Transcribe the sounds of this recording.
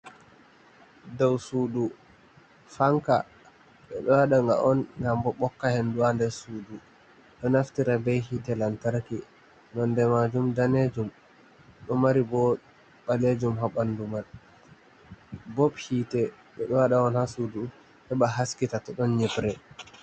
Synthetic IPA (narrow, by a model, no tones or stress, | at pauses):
dawsudu | faŋka̰ | ɓɛ̰ɗɔwaɗaŋɡa̰ʔɔnŋɡambɔɓɔkːahenduandɛsudu | ɗɔnaftiɾabɛjhiːtɛlantaɾki | nɔndɛmad͡ʒumdaned͡ʒum | ɗɔmaɾibɔ | ɓaled͡ʒumɦaɓandumal | bɔbhiːtɛ | ɓɛɗɔwaɗaɔnhasuːdu | hɛbaɦaskitatɔɗɔnɲɛbɾɛ